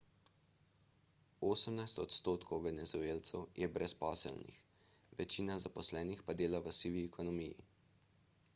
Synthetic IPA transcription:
oːsəmnajst̪ɔt̪st̪oːt̪kʰɔwʋɛnɛzueːlt̪sɛwjɛbɾɛspɔːsə̰lnḭx | ʋɛt͡ʃiːnazapɔslɛːnixpad̪eːlaʋəsiːʋiɛkʰɔnɔmijḭ

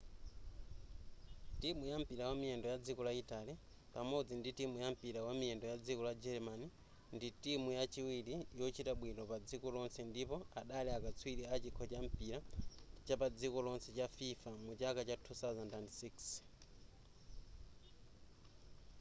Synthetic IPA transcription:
timujam̩piɾawamiɛndɔjad͡zikɔlaitali | pamɔd͡zinditimujam̩piɾawamiɛndɔjad͡zikɔlad͡ʒɛɾmani | nditimujat͡ʃiwilijɔt͡ʃitaɓwinɔpad͡zikɔlɔnsɛndipɔaɗalɛakat͡sʰwiɾiat͡ʃikʰɔt͡ʃam̩piɾat͡ʃapad͡zikɔlɔnsɛt͡ʃafifamut͡ʃakat͡ʃatʰuθawzandandsiks

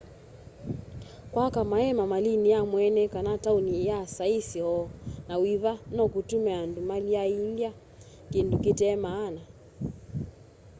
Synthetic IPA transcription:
kwakamaɛmamalinijamwɛnɛkanataunijasaisiɔnawiβanɔkutumɛandumaliaindia | kindukitɛmaːna

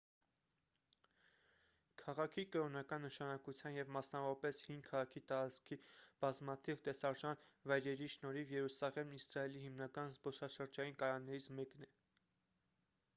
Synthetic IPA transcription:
kʰɑʁɑkʰikəɾɔnɑkɑnːəʃɑnɑkut͡sʰjɑnjɛvmɑsnɑvɔɾɑpɛshiŋɡkʰɑʁɑkʰit̪ɑɾɑt͡skʰib̥ɑzmɑt̪ʰivt̪ɛsɑɾʒɑnvɑjɾɛɾiʃnɔɾivjɛɾusɑʁɛmisɾɑɛlihimnɑkɑnzbɔsɑʃəɾd͡ʒɑjinkɑɾɑnːɛɾit͡sʰmɛknɛ

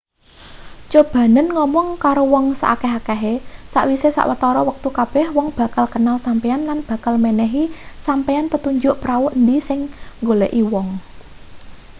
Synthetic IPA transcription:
t͡ʃob̥ä̤nənŋɔmɔŋkaɾowɔŋsa̰ʔakɛɦakɛɦesa̰ʔwisesa̰ʔwət̪ɔɾɔwək̚t̪ukab̥ɛhwɔŋb̥a̤kalkənalsampeanlanb̥a̤kalmenɛɦisampeanpət̪uɲd͡ʒʊʔpɾawuʔnd̪isɪŋŋɡoleʔiwɔŋ

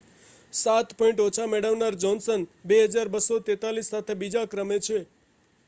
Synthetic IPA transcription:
sat̪pɔĩɳʈot͡ʃʰamɛɽəʋnaɾd͡ʒɔnsənbeɦəd͡ʒaɾbəsːot̪et̪alisːat̪ʰebid͡ʒakɾəmet͡ʃʰe

